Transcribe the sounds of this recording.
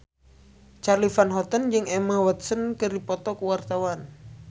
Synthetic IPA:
t͡ʃarlifanɦɔt̪ənd͡ʒɨŋɛmawɔt̪̚sənkɨrdipɔt̪ɔkuwart̪awan

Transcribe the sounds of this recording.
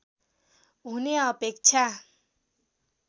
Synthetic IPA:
ɦuneʌpek̚t͡ʃʰa

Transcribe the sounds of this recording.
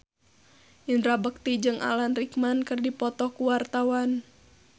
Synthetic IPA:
ʔindɾabək̚t̪id͡ʒɨŋʔa̰lanrikmankɨrdipɔt̪ɔhkuwart̪awan

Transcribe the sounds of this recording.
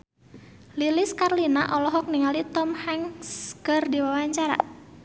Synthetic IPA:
lilɪskarlinaʔɔlɔɦɔk̚niŋalit̪ɔmhaŋsɡərdiwawaɲt͡ʃaɾa̰

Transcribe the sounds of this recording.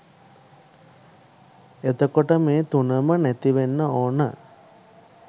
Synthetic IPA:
et̪əkoʈəmeːt̪unəmənæt̪iʋenːəoːnə̰

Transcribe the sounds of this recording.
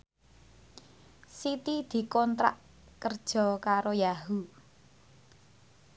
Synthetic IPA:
sit̪id̪̥i̤kɔnt̪ɾa̰ʔ | kərd̥ʒ̥ɔ̤kaɾojaɦu

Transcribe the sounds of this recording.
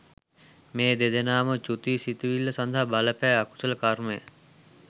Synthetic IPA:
meːd̪ed̪enaːmət͡ʃut̪iːsit̪iʋilːəsand̪ʱaɦabɐləpæːaku̥sələkaɾməjə̰

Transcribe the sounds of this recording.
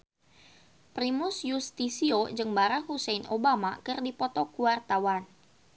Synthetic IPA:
pɾimʊsjust̪isiod͡ʒɨŋbaɾak̚husɛjnobamakɨrdipɔt̪ɔkuart̪awan

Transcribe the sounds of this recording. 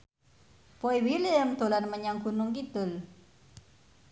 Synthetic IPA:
poiwiliəmt̪ulanməɲaŋkunʊŋkit̪ʊl

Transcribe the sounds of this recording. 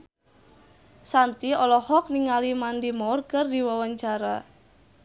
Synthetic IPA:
sant̪iɔlɔhɔk̚niŋalimandimɔrkərdiwawaɲt͡ʃaɾa

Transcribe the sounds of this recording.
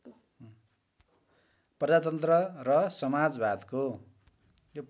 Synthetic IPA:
prʌd͡zat̪̬ʌnt̪rʌrʌsʌmad͡zbad̪ko | jo

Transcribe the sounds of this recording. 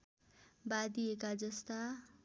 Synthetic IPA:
bad̪iekad͡zʌst̪a

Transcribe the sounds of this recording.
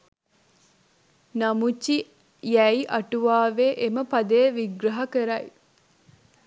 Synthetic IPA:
namut͡ʃːi | jæjiʔɐʈuʋaːʋeʔeməpad̪ejʋiɡɾɐɦɐkəɾɐj

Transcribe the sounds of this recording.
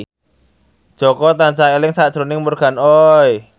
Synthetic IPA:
d̥ʒ̥ɔkɔt̪ant͡ʃaelɪŋsad̥ʒ̥ɾo̤nɪŋmurɡ̥a̤nɔj

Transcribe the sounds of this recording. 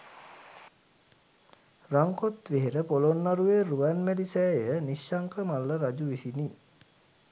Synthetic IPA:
raŋkot̪ʋeɦeɾəpolonːaɾueruʋanmelisɛːjəniʃːaŋkəmalːəɾad͡ʒuʋisini

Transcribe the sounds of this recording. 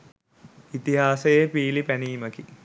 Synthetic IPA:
it̪iɦaːsejepiːlipæniːməki

